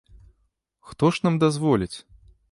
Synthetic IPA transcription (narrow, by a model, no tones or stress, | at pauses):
xt̪ɔʂnamd̪azvɔlʲit͡sʲ